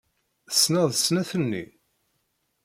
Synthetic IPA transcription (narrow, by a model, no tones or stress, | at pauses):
əsːnəðˤəsnæθənːḭ